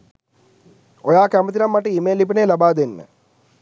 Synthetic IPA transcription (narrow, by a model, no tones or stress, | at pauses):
ojaːkɐmɐt̪̬iɾɐmːɐʈːiimeːlip̬ɐnelɐbaːd̪enːə̰